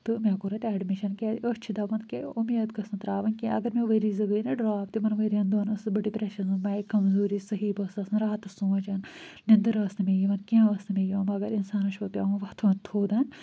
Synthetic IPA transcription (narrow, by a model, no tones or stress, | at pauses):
t̪ɨmʲaːkuɾɐt̪ʲɛːɖmiʃɐnkʲeːt̪əst͡ʃʰid̪ɐʋɐnkeumeːt̪kɐsɐnt̪ɾaːʋɐnkẽʔɐ̰ɡɐɾmeʋɐɾiːzɨɡɨːnɐɖɾaːpt̪imɐnʋəɾiɐnd̪ɐːnɐsɨbɐɖipɾɐʃɐsɐnmɐːikɐmzuːɾisɐɦiːbɐsɐsɨnɾaːt̪ɐsumɐt͡ʃɐn | nʲɐnd̪ɨɾɐːsnɨmejiʋɐnkʲẽɐsnɨmʲejɐːmɐɡɐɾinsaːnɐʃoːt̪jɐ̰ːmɐʋɐht̪ʰɐnt̪ʰoːd̪ɐnʲ